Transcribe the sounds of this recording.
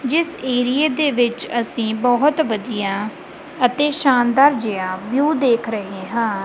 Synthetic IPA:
d͡ʒɪseːɾijeːd̪eːʋɪt͡ʃəsĩːbɔɦt̪ʋəd̪ijãː | ət̪eːʃaːnd̪aːɾd͡ʒɪjãːʋjuːd̪eːkʰɾəɦeːɦãː

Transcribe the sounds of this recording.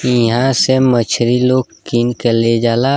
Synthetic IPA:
ɦãsemət͡ʃʰɾiloːɡkiːnkeled͡ʒaːla

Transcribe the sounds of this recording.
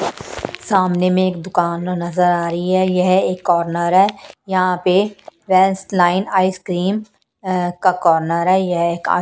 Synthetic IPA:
saːmnemẽeːkd̪ʊkaːnnɐzəɾaːɾɐiɦɛjɐɦeːkːɔːɾnəɾɦɛːjɐɦãpeʋɛːnsʈlaːɪnaːiskɾiːm | kakɔːɾnəɾɦɛːjɐɦeːka̰ː

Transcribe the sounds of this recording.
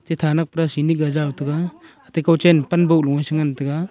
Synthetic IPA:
tetʰanak̚pɾasiniɡazawtɐɡaː | tejkawt͡ʃenpɐnbɐuluŋajsaŋantɐɡa

